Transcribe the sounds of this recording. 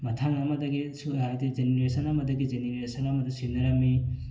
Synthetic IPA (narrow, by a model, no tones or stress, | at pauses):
mɐtʰaŋɐmɐdɐɡisuajdizeneɾesɐnamɐdɐɡizeneɾesɐnamɐdɐsinɐɾɐmi